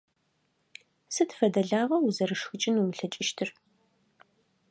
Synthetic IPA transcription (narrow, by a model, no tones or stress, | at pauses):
sɨtʰfɐdɐɮaːʁɐwuzɐrɨʂxɨt͡ʃʼɪnumɨɬɐt͡ʃʼɪʃtʰɨr